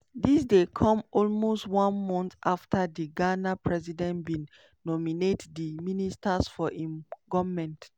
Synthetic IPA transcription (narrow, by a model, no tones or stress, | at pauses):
disdekʰɔ̃mɔlmostwɔ̃nmɔ̃ntʔaftadiɡanapʰɹɛzidɛ̃ntbĩn | nɔminetdiministasfɔʔĩmɡɔvmɛ̃nt